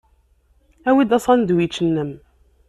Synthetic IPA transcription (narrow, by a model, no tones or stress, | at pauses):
æwid̪æsˤɑnd̪wjit͡ʃːənːəm